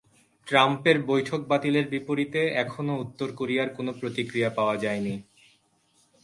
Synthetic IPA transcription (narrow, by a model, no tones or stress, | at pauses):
ʈɾampeɾbojʈʰok̚bat̪ileɾbipoɾit̪eɛkʰonout̪ːoɾkoɾijaɾkonopɾot̪ikɾijapaoad͡ʑaeni